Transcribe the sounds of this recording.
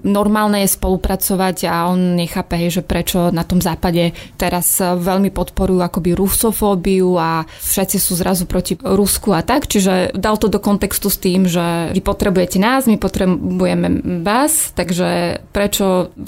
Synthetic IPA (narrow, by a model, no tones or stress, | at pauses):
nɔɾmaːlnɛjɛspɔlupɾat͡sɔʋaɟaɔnɲɛxaːpɛɦɛjʒɛpɾɛt͡ʃɔnat̪ɔmzaːpaɟɛt̪ɛɾazʋɛʎmipɔt̪pɔɾujuakɔbiɾusɔfɔːbiua | fʃɛt̪t͡sisuːzɾʔazupɾɔciɾuskuat̪akt͡ʃiʒɛd̪alt̪ɔd̪ɔkɔnt̪ɛkst̪ust̪iːmʒɛipɔt̪ɾɛbujɛcɛnaːzmipɔt̪ɾɛbujɛmɛʋaːst̪aɡʒɛpɾɛt͡ʃɔ